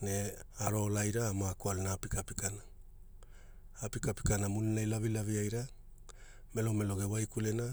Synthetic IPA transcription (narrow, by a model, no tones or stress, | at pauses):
ne̞aɾo̞lajɾaːmakualenaːpikapikana | pikapi̥kanamuninajlavilaviajɾa | me̞lome̞lo̞ɡe̞wajkule̞na